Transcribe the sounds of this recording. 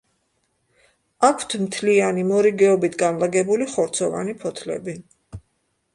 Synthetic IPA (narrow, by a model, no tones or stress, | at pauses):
akʰw̥t̪ʰmt̪ʰlianimɔɾiɡɛɔbit̪ʰɡanlˠaɡɛbuliχɔɾt̪sʰɔva̰nipʰɔt̪ʰlɛ̰bi